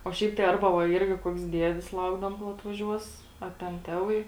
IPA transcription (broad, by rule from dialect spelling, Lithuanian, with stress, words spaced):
oː ˈʃʲɛɪp tɐɪ ˈɐrbɐ ʋɐ ˈɪrʲɡʲɪ koːks ˈdʲiɛdʲɪs ˈlˠɐʊɡdɐʋoːm koːlˠ ɐtʋɐˈʒʲuɔs ɐ tʲɛn ˈtʲæːˌʋɐɪ